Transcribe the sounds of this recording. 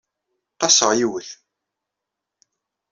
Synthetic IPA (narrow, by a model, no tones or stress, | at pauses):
t̪ˤːɑsəʁjiwəθ